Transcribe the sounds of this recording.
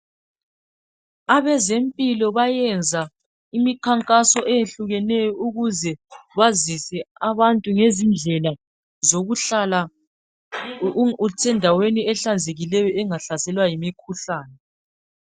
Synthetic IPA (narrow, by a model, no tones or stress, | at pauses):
aβɛzempʼilɔβajɛnd͡zʱa | imikʰaŋkʼasɔʔejeɬuɣɛnɛjɔuɣuzɛβazisɛaβantʼuŋezind͡ɮʱɛla | zoɣuɬala | sɛndʱaweniɛɬand͡zʱeɣilɛjɔɛŋaɬasɛlwajimikʰuɬaːnɛ